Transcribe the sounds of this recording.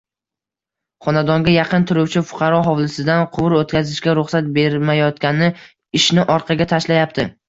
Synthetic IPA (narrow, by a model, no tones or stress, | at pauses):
χɒnad̪ɒŋɡʲajɑqɨnt̪ʰʊɾʊwt͡ʃʰɪfʊ̥qʰɑɾɒɦɒwlˠɪsɪd̪anqʰʊwʊɾot̪kʲʰazɪʃkʲaɾʊχsat̪̚be̞ɾmajɒt̪kʲanɪ | ɪʃnɪʔɒɾqʰɑɡʲat̪ʰaʃlajap̚t̪ʰɪ